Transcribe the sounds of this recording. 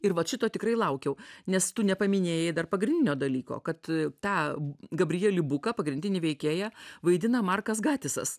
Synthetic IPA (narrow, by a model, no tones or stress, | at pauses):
ɪrʋɐtʃʲɪt̪oːt̪ʲɪkɾɐɪlˠɐʊkʲɛʊnʲɛst̪ʊnʲɛpɐmʲɪnʲeːjɛɪd̪ɐrpɐɡɾʲɪnʲdʲɪnʲoːd̪ɐlʲiːko̰ːkɐt̪t̪ɑːɡɐbʲɾʲɪjɛlʲɪbʊkɐpɐɡɾʲɪnʲdʲɪnʲɪʋʲɛɪkʲeːjæʋɐɪd̪ʲɪnɐmɐrkɐs̬ɡɑːt̪ʲɪsɐ̰s